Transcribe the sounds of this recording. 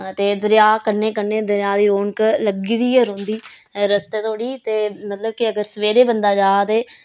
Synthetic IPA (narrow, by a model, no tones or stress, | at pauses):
t̪eːd̪əɾjaːkəɾneːkəɾneːd̪əɾjaːd̪iːɾoːɳkləɡiːd̪iːəɾɦõnd̪iː | ɾəst̪eːt̪ʰoːɽiːt̪eːmət̪ləb̚kɪəɡəɾsəʋeːɾeːbənd̪aːd͡ʒaːt̪eː